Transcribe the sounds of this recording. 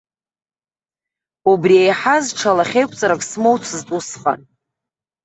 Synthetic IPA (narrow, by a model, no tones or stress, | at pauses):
ubriejħazʈ͡ʂʰalaχʲejkʷʼt͡sʼaɾakʼsmowt͡sʷʰɨztʼusχʼa̰n